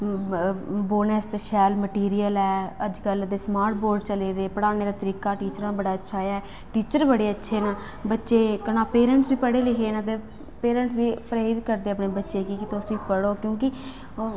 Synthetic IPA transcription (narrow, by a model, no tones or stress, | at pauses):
boːnɛːst̪ːʃɛːlməʈiːɾiːəlɛːəd͡ʒkəld̪eːsmaːɾʈ̚boːɾɖt͡ʃəleːd̪eːpəɽaːneːɾaːt̪əɾiːkaːʈiːt͡ʃəɾãːbəɽaːətːʃʰaːaːɛ | ʈiːt͡ʃəɾbəɽeːətːʃʰeːnaː | bətːʃeːkənaːpeːɾə̃ɳʈsbiːpəɽeːlɪkʰeːnãːt̪eː | peːɾə̃ɳʈsʋiːpɾaːid̪kəɾd̪eːəpneːbətːʃeːkikɪt̪ʊsʋiːpəɽoːkjõːkɪ